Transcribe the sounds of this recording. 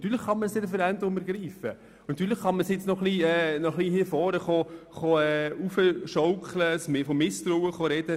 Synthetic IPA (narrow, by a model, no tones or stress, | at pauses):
t̪yːɾləχχɑnməsedəfəɾændəɾʊməɾɡɾiːfə | nɑt̪yːɾləχχɑnməsjɪt͡snɔχliɛːnɔχlihiːfɔːɾəχoχoɛufəʃɔʊkləsmɪfɔmɪst̪ɾuːəχoɾɛd̥ə